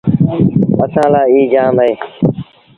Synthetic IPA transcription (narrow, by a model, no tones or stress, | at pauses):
əsãːlaːiːd͡ʒaːmeː